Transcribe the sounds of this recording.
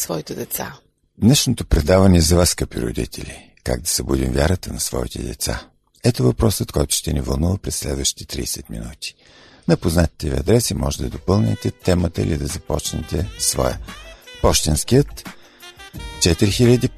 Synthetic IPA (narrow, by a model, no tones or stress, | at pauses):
svɔit̪ɛd̪ɛt̪sa̰ | d̪nɛʃnot̪opɾɛd̪avɐnɛːzɐvaskəpiɾo̰d̪ḭt̪ʰɛlʲi | ka̰ɡ̚d̪ɐ̥sɐbud̪imvʲjaɾət̪ənɐsvɔ̰it̪ɛ̰d̪ɛ̰t̪sa̰ | ɛt̪ovɐpɾɔsət̪kɔjt̪ʊ̥ʃt̪ɛnivɐ̰lˠnuvəpɾɛsːlɛd̪vəʃi̥t̪i̥t̪ɾḭːsɛt̪mḭnut̪i̥ | nɐpoznat̪i̥t̪ɛvḭɐd̪ɾɛsimɔʒɛd̪əd̪opɤlˠnɛ̰t̪ɛt̪ɛmət̪əḭlʲid̪ɐzɐpɔt͡ʃnɛ̰t̪ɛsvɔ̰jə̰pɔʃt̪inskijət̪ | t͡ʃɛt̪iɾixilʲəd̪i